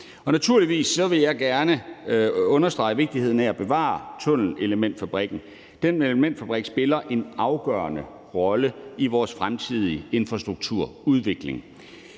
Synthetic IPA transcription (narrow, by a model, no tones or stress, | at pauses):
ɒ̽næt͡sʰuɐ̰liʋḭːsːɒ̽ʋe̝jɑ̈ɪɡ̥æɐnə | ɔ̽nɐsd̥ʁɑ̈ɪʋe̝ɡ̥̚d̥iheð̰ˠn̩ææb̥e̝ʋɑ̰̈ːt͡sʰɔ̽n̰n̩e̝ləmen̰d̥fæb̥ʁiɡ̥n̩ | d̥enelmen̰d̥fæb̥ʁiɡ̥sb̥e̝lɐʔe̝nɑ̈ʊɡ̥ɶːɐnə | ʁɒ̽ləiʋɒːsfʁamt͡sʰið̞̰ˠie̝nfʁɑ̈sd̥ʁuɡ̥̚t͡sʰuɐ̰uð̞ˠʋe̝ɡ̥le̝ŋ